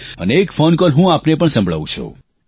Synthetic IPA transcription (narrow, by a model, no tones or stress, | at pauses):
ə̰neːkfonkɔlɦũapnepəɳsə̃mbʱɭa̰ʋṵ̃t͡ʃʰo̰